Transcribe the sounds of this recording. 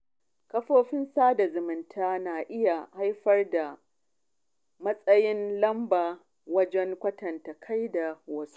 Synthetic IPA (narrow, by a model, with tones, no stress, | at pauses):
kɐ˦ɸoː˦ɸɪ˦nsaː˦da˨zʊ˨mɪ˨ntʰaː˦naː˨ʔɪ˦ja˨ha˦jɸɐ˦rda˨ | mɐ˦sʼɐ˦jɪ˦nlɐ˦mbaː˨ | wɐ˦d͡ʒɛ˦ŋkʷɐ˦tɐ˨nta˨kʰa˦jda˨wɐ˦su̥˦